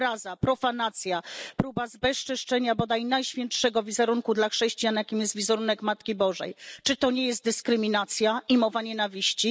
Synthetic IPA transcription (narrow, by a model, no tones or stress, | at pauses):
ɾazapɾɔfanat̪sʲjapɾubazbɛʂt͡ʂɘʂt͡ʂɛɲabɔd̪ajnajɕfʲjɛntʂɛɡɔvʲizɛɾuŋkud̪laxʂɛɕt͡ɕijanjakʲimjɛst̪vʲizɛɾunɛkmat̪kʲibɔʐɛ̰jt͡ʂɘt̪ɔɲɛjɛs̬t̪̚d̪ɘskɾɘmʲinat̪sʲjaimɔvaɲɛnavʲiɕt͡ɕi